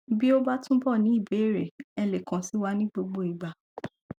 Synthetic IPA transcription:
bi˦o˦ba˦tũ˦bɔ˦˨nĩ˨˦i˦˨be˨˦˨ɾe˨ɛ˧le˨kã˨si˨˦wa˦nĩ˦ɡ͡bo˧ɡ͡bo˦i˨ɡ͡ba˨

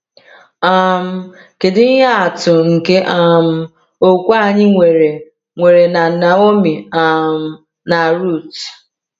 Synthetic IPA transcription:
a˦m̩˦ | ke˨dɪ˦ɦa˦a˨tʊ˨ŋ̩˨ke˦ʔa˦m̩˦ | o˦kʷa˦˨ɲɪ˦ŋʷe˨ɾe˨ | ŋʷe˨ɾe˨na˨na˨o˦mi˨a˨m̩˦ | na˨ɾu˦˨t

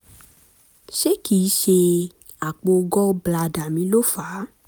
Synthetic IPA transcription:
ʃe˦ki˨˦ʃe˧ | a˨k͡po˧ɡɔ˦bla˧da˨mĩ˨˦lo˦fa˨˦

